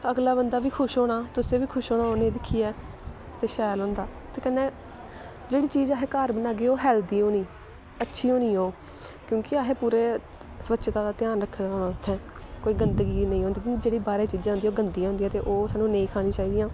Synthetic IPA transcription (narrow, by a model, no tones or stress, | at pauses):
əɡlaːbənd̪aːʋiːkʰʊʃɦoːɽ̃aːt̪ʊsẽːʋiːkʰʊʃɦoːɽ̃aːoːnẽːd̪ɪkʰːiːɛː | t̪eːʃɛːlɦõːnd̪aːt̪eːkənːeː | d͡ʒeːɽiːt͡ʃiːd͡ʒaːɦeːkaːɾbənaːɡeːoːɦɛːld̪iːoːniː | ətːʃʰiːɦoːniːoː | kjõːkɪaːɦeːpuːɾeː | səʋətːʃʰt̪ãːd̪aːt̪ɪjaːnɾəkʰːd̪aːnaːʊt̪ʰːɛ̃ː | koːiːɡənd̪ɡiːnə̃ĩːɦõnd̪iːkõːkd͡ʒeːɽiːbaːɾeːt͡ʃiːd͡ʒãːʊ̃nd̪iːoːɡənd̪iːãːɦʊnd̪ːɛːt̪eːʔoːsaːnːũːnẽĩːkʰaːɽ̃ĩːt͡ʃaːiːd̪iːãː